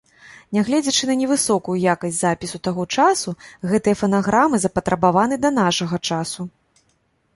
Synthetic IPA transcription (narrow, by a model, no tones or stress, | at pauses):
nʲaɣlʲɛd͡zʲɐt͡ʂɨnɐnʲɛvɨsɔkujujakɐsʲtʲzapʲisut̪aɣɔt͡ʂasuɣɛt̪ɨjɐfɐnaɣɾʔamɨzɐpɐt̪ɾɐbavan̪ɨd̪ɐnaʂɐɣɐt͡ʂasu